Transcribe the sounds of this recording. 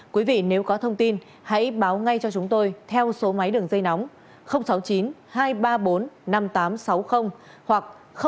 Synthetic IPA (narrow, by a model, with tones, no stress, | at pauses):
kwi˨˦vḭ˧˨ne˨˦wkɔ˨˦t̪ʰə˧wŋ͡mt̪i˧n | ha̰˧˥jɓaː˨˦wŋa˧jt͡ɕɔ˧t͡ɕʊ˨˦ŋ͡mt̪o˧jt̪ʰɛ˧wso˨˦ma˨˦jɗɨ˨˩əŋzə˧jna˨˦wŋ͡m | xə˧wŋ͡msa˨˦wt͡ɕi˨˦nhaː˧jɓaː˧ɓo˨˦nna˧mt̪aː˨˦msa˨˦wxə˧wŋ͡m | hwa˨˩k̚ | xə˧